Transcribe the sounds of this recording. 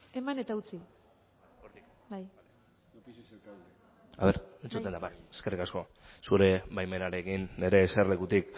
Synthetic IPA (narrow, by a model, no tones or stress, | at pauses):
e̞mane̞t̪aut͡si | oɾt̪i | baj | a̰βe̞ɾent͡sut̪end̪abaje̥skerikasko̞ | suɾe̞bajme̞naɾeɣinːe̞ɾe̞ːserle̞kut̪ik